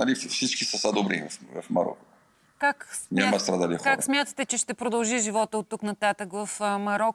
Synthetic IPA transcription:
nɐliffsit͡ʃkisɐsad̪obɾḭvɐvɐ̰fmɐ̰ɾɔ̰ko̥ | kaksnʲamɐst̪ɾad̪alixkaksmʲjat̪ət̪ɛt͡ʃɛʃt̪ɛpɾod̪ɐlˠʒiʒivɔt̪əot̪ːuknɐt̪at̪əkvɐfmɐɾɔk

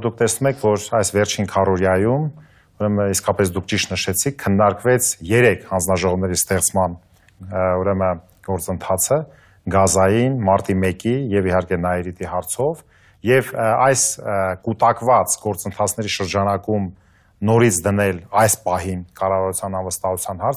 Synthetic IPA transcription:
d̪uk̚ʰt̪ɛsnumɛkʰvɔɾɑjsvɛɾt͡ʃʰinkʰɑrɔɾjɑjum | uɾɛməiskɑpɛs̬d̪ukʰt͡ʃiʃt̪nəʃɛt͡sʰikʰːənːɑɾkvɛt͡sʰjɛɾɛkʰhɑnd͡znɑʒɔʁɔvnɛɾist̪ɛχt͡sʰmɑn | uɾɛmə | ɡ̥ɔɾt͡sənt̪ʰɑt͡sʰə | ɡɑzɑjinmɑɾt̪imɛkijɛvihɑɾkɛnɑɛɾit̪iɦɑɾt͡sʰɔv | jɛvɑjskut̪ɑkvɑt͡sɡɔɾt͡sənt̪ʰɑt͡sʰn̪ɛɾiʃəɾd͡ʒɑnɑkum | nɔɾit͡sʰd̪ənɛlɑjspɑɦinkɑrɑvɑɾut͡sʰjɑnɑnvəst̪ɑɦut͡sʰjɑnhɑɾt͡sʰ

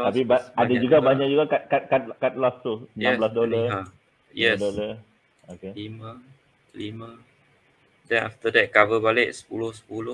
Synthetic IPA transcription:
t̪apibaadad͡ʒuɡabaɲaʔd͡ʒuɡakat̪̚kat̪̚kat̪̚kat̪̚lɔst̪uənãblasdola | jɛdola | okelimə | limə | dɛ̃na̰ft̪ədɛt̚kavəbalɛʔ̚sə̥pulʊhsə̥pulʊ

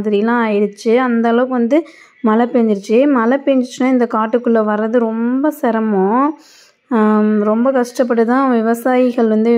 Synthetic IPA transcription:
ðɪɾɪjɐlãːɐjɪɽɯt͡ʃːɯɐnd̪ɐːlɐʋɯkɯʋɐnd̪ɯ | mɐlɐpːeːɲd͡ʒɪɾɯt͡ʃːɯmɐlɐpeːɲd͡ʒɪɾɯt͡ʃːɯnːaːɪnd̪ɐkaːʈːɯkːɯɭːɐʋɐɾɐðɯɾɔmbɐsɛɾɐmõː | ɾɔmbɐkɐʂʈɐp̬ːɐʈːɯt̪ãːʋɪʋɐsaːjɪɣɐɭɾɐnd̪ɯ

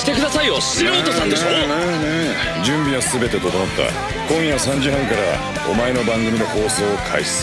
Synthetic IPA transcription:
t̪e̞kɯ̟d̪asaioɕɨjot̪esãnd̪esoo | d͡ʑɨ̃mbʲiβasɨbe̞t̪e̞t̪o̞t̪omot̪ːa̰ | kõ̞ɰ̃jasãɲ̟d͡ʑiɦãŋkaɾa | o̞̰mae̞no̞bãŋɡɯmʲid̪e̞ho̞ːso̞ːkʰa̰isi̥ɨ̥

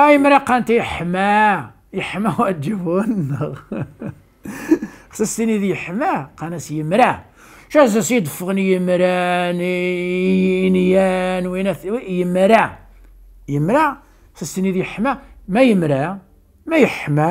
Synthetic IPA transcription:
æjəmɾæqænt̪ijəħmæ | jəħmæwʕd̪əbunːəɣ | xsæst̪inid̪jəħmæqænæsjəmɾæ | ʃæzæsjd̪ˤəfːəʁnijəmɾæn | njænwinæjəmɾæ | jəmɾa | sæst̪inid̪jəħmæmæjəmɾæ | mæjəħmæ

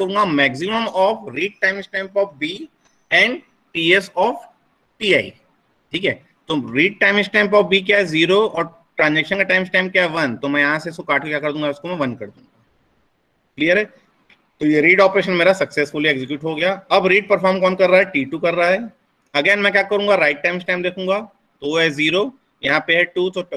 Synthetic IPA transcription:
ɐũːŋɡamɛːksɪməmɔːfɾiːɖ̚ʈãːɪmɪsʈãɪmpɔːfbiː | ɛ̃ːɳɖ | ʈiːesɔːf | ʈiːaːḭ | ʈʰiːkɦɛ̰ː | t̪oɾiːɖ̚ʈaːɪ̃mɪsʈãɪ̃mpɔːfbiːkjaɦɛziːɾoɔːɾ | ʈɾãːnd͡ʒɛːkʃənkaʈãːɪmɪsʈaːɪmkjaɦɛʋɐnt̪omɛ̃jɐɦãseɪskokaːʈkekjaːkɐɾd̪ũːŋɡaɪskomɛ̃ʋɐ̃nkɐɾd̪ũːŋɡa | klijəɾɦɛː | t̪ojeɾiːɖɔːpɾeːʃənmeːɾasɐksesfʊlieːɡzɪkjuːʈɦoɡɐjaɐbɾiːɖ̚pɐɾfɔːɾmkɔːnkɐɾːaːɦɛʈiːʈukɐɾːaaɦɛː | ɐɡeːnmɛ̃kʲjaːkɐɾũːŋɡaɾaːɪʈ̚ʈːaːɪmɪsʈaːɪmd̪eːkʰũːŋɡaː | t̪ooɦɛziːɾo | jɐɦãpeɦɛʈuːt̪o

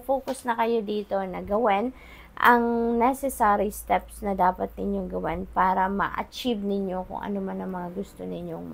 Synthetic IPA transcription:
foːkʊsnɐkɐjo̞d̪iːt̪o̞nɐɡɐwɛn | ʔɐŋnɛsɛsaɾist̪ɛpsnɐd̪aːpɐt̪̚nɪɲjoŋɡɐwɛnpaːɾɐmɐ̰ʔɐ̰t͡ʃivnɪɲjo̞kʊ̰ŋʔɐ̰nomanɐŋmɐŋaɡʊst̪o̞nɪɲjoŋ

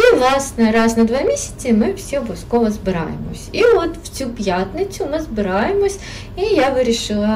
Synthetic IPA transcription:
iʋlˠɑsnɛɾɑznɐd̪ʋɑmʲisʲɐ̥t͡sʲimɪwsʲiɔbɔʋʲskɔʋɔzbɪɾɑ̰jḛmɔ̰sʲiɔt̪w̥t͡sʲupʲjat̪nɪt͡sʲʊmɪzbɪɾɑjemɔsʲ | ijaʋɪɾʲiʃɪlˠɐ

